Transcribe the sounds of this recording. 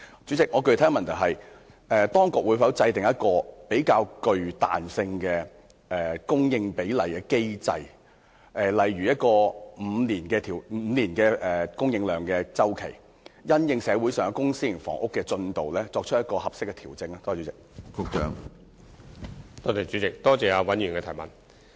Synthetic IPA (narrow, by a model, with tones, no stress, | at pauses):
t͡ʃyː˨˥t͡sɪ˨k̚ŋɔː˨˧kɵ˧ɥt̪ʰɐ˨˥mɐ˨˩nt̪ʰɐ˨˩ɦɐ˨j | ʔɛː˨t̪ɔː˥ŋkʊ˨k̚wu˨˧fɐ˨˥wt͡sɐ˧jt̪ɪ˨ŋjɐ˥t̚kɔː˧pe˨˥jkaː˧wkɵ˨˧ɥt̪a̰ː˨nsɪ˧ŋkɛː˧ | ʔɛː˨˩kʊ˥ŋjɪ˧ŋpe˨˥jlɐ˨˩jkɛː˧ke˥jt͡sɐ̰˧j | ʔɛː˨˩lɐ˨jɥyː˨jɐ˥t̚kɔː˧m̩˨˧niː˨˩nkɛː˧t̪ʰiː˨˩w̩˧˨˧nliː˨˩nkɛː˧ʔɛː˨˩kʊ˥ŋjɪ˧ŋlœː˨ŋkɛː˧t͡sɐ˥wkʰe˨˩j | jɐ˥njɪ˧ŋsɛː˨˧wu˨˥jsœː˨˩ŋ˧˥kʊ˥ŋsiː˥jɪ˨˩fɔ̰ː˨˩ŋʔʊ˥kːɛː˧t͡ʃɵ˧nt̪o˨wlɛː˥t͡sɔː˧k̚t͡ʃʰə˥jɐ˥t̚kɔː˧hɐ˨p̚sɪ˥kːɛ˧t̪ʰiː˨˩wt͡sɪ˧ŋa˧t̪ɔː˥˨t͡ʃyː˨˥t͡sɪ˨k̚kʰʊ˨k̚t͡ʃœ̰ː˨˥ŋ | t̪ɔː˥t̪e˨˩jt͡ʃyː˨˥t͡sɪ˨k̚t̪ɔː˥t͡sɛː˨aː˧wɐ˨˥njyː˨nkɛː˧˨˩mɐ̰˨˩n